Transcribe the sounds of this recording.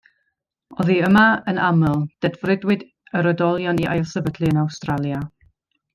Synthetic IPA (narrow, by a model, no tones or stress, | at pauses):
ɔðiəmaənaməlˠd̥ɛdvrɪdwɨd | əɾədɔlˠjɔniʔa̰jlˠsəbədlˠiənawstralˠja